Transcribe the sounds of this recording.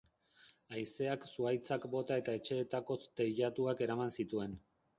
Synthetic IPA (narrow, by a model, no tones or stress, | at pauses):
ajse̞aksuajt͡sakbo̞t̪ae̞t̪ae̞t͡ʃe̞ːt̪ako̞st̪e̞ʎat̪uake̞ɾamansit̪ue̞n